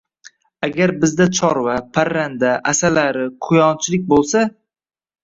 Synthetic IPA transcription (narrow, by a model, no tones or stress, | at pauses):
aɡʲaɾbɪzd̪at͡ʃʰɒɾvapʰaɾːand̪aʔasalaɾɪqʰʊjɒnt͡ʃʰɪlɪk̚ʲbolˠsa